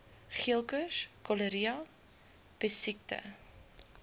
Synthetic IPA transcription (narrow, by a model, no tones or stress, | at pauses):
χiəlˠkəskɔləɾiɑ | b̥əsik̚tə̰